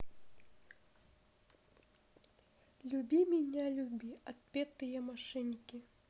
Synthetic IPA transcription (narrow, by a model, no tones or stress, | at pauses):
lʲubʲimʲinʲalʲubʲiat̪̚pʲɛt̪ɨjɐmaʂɛnʲkʲi